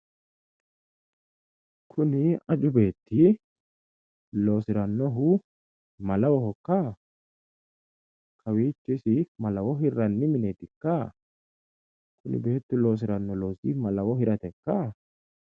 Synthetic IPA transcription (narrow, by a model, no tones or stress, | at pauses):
kʰʊnɪɐd͡ʒʊbe̞ːt̪ːɪ | lo̞ːsɪɾɐnːɔɦʊ | mɐlɐwɔhɔkːɐ | kʰɐwiːt͡ʃːɪsɪmɐlɐwɔɦɪɾɐnːɪmɪneːt̪ɪkːɐ | kʰʊnɪ̰be̞ːt̪ːʊlo̞ːs̬ɪɾɐnːɔlo̞ːsɪmɐlɐwɔhɪɾɐt̪ɛkːɐ